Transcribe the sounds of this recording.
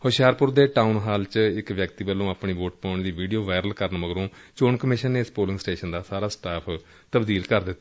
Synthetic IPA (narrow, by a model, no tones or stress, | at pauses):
hoʃjaːɾpʊɾd̪eːʈaːunɦaːlt͡ʃɪkʋjəkt̪iːbəlːõːaːpɳiːʋoːʈpãːʊɳd̪iːʋiːɖijoːʋaːɪɾəlkəɾnməɡɾõː | t͡ʃoːnkəmɪʃənːeːɪspoːlɪ̃ŋɡsʈeːʃənd̪aːsaːɾaːsʈaːpʰ | t̪əbd̪iːlkəɾd̪ɪt̪ː